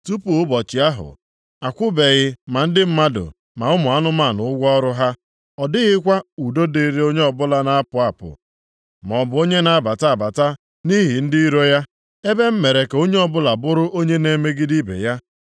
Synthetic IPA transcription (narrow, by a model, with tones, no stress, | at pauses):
tu˦pu˨ʊ˦bɔ˨t͡ʃɪ˨a˦ɦʊ̰˨ | a˨kʷʊ˦be˨ɣɪ˦ma˨n̩˦dɪ˦m̩˦ma˦dʊ̰˨ | ma˨ʊ˦mʊ˨a˦nʊ˦ma˦˨nʊ˨ʊ˦ɡʷɔ˦ɔ˦ɾʊ˦ɦa˦ | ɔ˨dɪ˦ɣɪ˦kʷa˦u˨do˦de˦ɾe˦o˦ɲe˦ɔ˨bʊ˦la˦na˦a˦pʊ˨a˨pʊ̰˨ | m˨ɔ˨bʊ˨o˦ɲe˦na˨a˦˨ba˨ta˦a˨ba˨ta˦ | ni˦ɦi˨n̩˦dɪ˦i˦ɾo˦ja˦ | e˦be˦m̩˦me˨ɾe˨ke˨o˦ɲe˦ɔ˨bʊ˦la˨bʊ˦ɾʊ˦ʔo˦ɲe˦ne˨me˦ɡɪ˦di˦bḛ˨ja˦